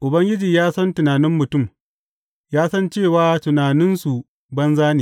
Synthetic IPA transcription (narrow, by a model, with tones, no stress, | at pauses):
ʔʊ˨bɐ˦ŋɡʲɪ˦d͡ʒiː˨jaː˦sɐ˦ntʊ˨naː˨nɪ˦mːʊ˨tʊ˦˨m | jaː˦sɐ˦nt͡ʃeː˦˨waː˨˦tʊ˨naː˨nɪ˦nsu˨ | bɐ˦nzaː˦neː˨